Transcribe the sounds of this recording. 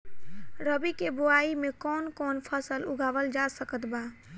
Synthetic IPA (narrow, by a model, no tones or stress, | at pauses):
ɾəbikeboaimekɔːnkɔnpʰəsəlʊɡʱabəld͡ʒasəkət̪ba